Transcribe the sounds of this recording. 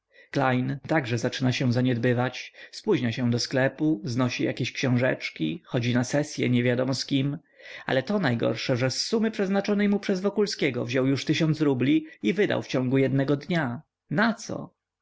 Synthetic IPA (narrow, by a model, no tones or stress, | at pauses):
klajnt̪aɡʐɛzat͡ʂɘnaɕɛ̃zaɲɛd̪bɘvat͡ɕspuʑɲaɕɛ̃d̪ɔsklɛpuznɔɕija̰kʲeɕkɕɔ̃w̃ʐɛ̰t͡ʂkʲḭxɔd͡ʑinasɛsʲjɛ̰ɲɛvʲjad̪ɔmɔskʲim | a̰lɛt̪ɔnajɡɔ̰ɾʂɛʐɛsːumɘpʂɛznat͡ʂɔnɛjmupʂɛzvɔkulskʲɛɡɔvʑɔwjuʂt̪ɘɕɔnsɾublʲiivɘd̪a̰wft͡ɕɔ̃ŋɡujɛd̪nɛɡɔd̪ɲa | nat̪sɔ̰